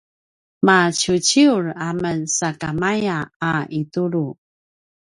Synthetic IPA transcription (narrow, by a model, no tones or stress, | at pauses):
mat͡ɕut͡ɕiuɾamənsakamajaːʔituɾu